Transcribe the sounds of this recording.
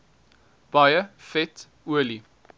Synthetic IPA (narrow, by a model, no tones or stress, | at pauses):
b̥ajəfɛt | uəli